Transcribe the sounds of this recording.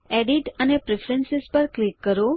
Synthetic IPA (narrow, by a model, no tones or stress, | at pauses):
eɖiʈənepɾefʰɾənsɪspəɾklikːəɾo